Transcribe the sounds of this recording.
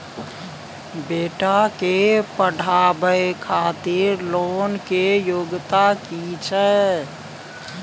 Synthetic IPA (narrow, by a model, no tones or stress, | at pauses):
beːʈakepəɖʱabəjkʰat̪iɾloːnkejoɡt̪akit͡ʃʰɛ